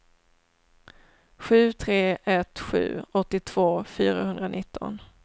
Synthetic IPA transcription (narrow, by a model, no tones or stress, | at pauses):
ɧʉ̟ːt̪ʰɾeːʔɛt̪ɧʉ̟̰ːɔt̪ːɪt̪ʰv̥oːfyːɾahɵnd̪ɾanʔɪt̪ʰːɔ̰n